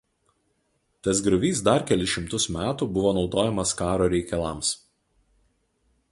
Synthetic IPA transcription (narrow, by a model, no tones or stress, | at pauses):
t̪ɐsɡɾʊʋʲiːsd̪ɐɾkʲɛlʲɪʃʲɪmt̪ʊsmʲæːt̪uːbʊʋoːnɒʊd̪oːjɛmɐskɑːɾoːɾʲɛɪkʲɛlˠɐˑms